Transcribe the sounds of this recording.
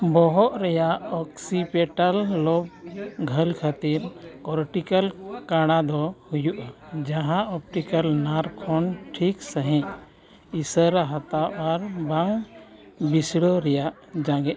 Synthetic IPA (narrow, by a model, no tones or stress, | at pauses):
bɔɦɔʔɾɛjaʔɔksipɛʈalːɔb̚ɡʱəlkʰat̪iɾkɔɾʈikalkaɽ̃ad̪ɔhujuʔad͡ʒãɦãʔɔp̚ʈikalnaɾkʰɔnʈʰiksəɦɛ̃ | isəɾaɦat̪awʔaɾbaŋ | bisɽɔɾɛjaʔ | d͡ʒãɡɛʔ